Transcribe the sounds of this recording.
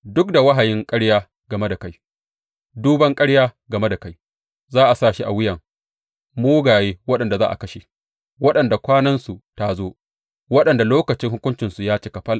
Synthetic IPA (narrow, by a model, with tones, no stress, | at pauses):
dʊ˦k̚da˨wɐ˦ɦa˨jɪ˦ŋkʼɐ˦ɽjaː˦ | ɡɐ˨me˦da˨ka˦j | duː˦bɐ˦ŋkʼɐ˦ɽjaː˦ɡɐ˨me˦da˨ka˦j | zaː˦ʔa˨saː˦˨ʃi˦ʔa˨wɪ˦jɐ˨ŋ | moː˦ɡaː˨jeː˦wɐ˦ɗɐ˨nda˨zaː˦ʔa̰˨kɐ˦ʃe˨ | wɐ˦ɗɐ˨nda˨kʷaː˦nɐ˦nsu˨ta˦zoː˦ | wɐ˦ɗɐ˨nda˨loː˦kɐ˨t͡ʃɪ˦ŋhʊ˦kʷʊ˦nt͡ʃɪ˨nsu˨jaː˦t͡ʃeː˦kɐ˨ɸɐ˦lʔ